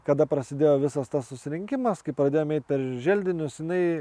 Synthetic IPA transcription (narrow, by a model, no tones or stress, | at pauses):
kɐd̪ɐpɾɐsʲɪd̪ʲeːjoːʋʲɪsɐst̪ɐssʊsʲɪɾʲɪŋʲkʲɪmɐskɐɪpɾɐd̪ʲeːjoːmɛɪt̪̚ʲpʲɛɾʒʲɛlʲd̪ʲɪnʲʊsjɪnɐɪ